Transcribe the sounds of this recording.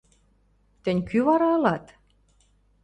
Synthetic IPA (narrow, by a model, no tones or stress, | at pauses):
t̪ɘ̆nʲkyβɑɾɑɤ̆lɑt̪